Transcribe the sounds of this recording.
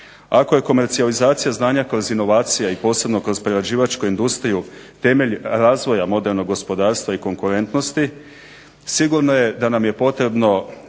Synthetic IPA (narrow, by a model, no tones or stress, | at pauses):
ako̞je̞ko̞me̞ɾt̪sializaːt̪sijaznaːɲakɾo̞zino̞ʋaːt̪sijaipo̞ːse̞bno̞kɾo̞zpɾeɾad͡ʑiːʋat͡ʃkoind̪ust̪ɾiju | t̪e̞me̞ʎɾaːzʋo̞jamo̞d̪e̞ɾno̞ɡo̞spo̞d̪aːɾst̪ʋaiko̞ŋkuɾe̞nt̪no̞st̪i | siɡuɾno̞je̞d̪anamje̞po̞t̪ɾe̞bno̞